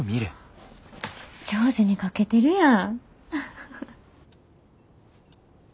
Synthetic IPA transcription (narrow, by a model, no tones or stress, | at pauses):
mʲiɾɯ̟ | t͡ɕoːzɨɲ̟ikake̞t̪e̞ɾɯ̟jã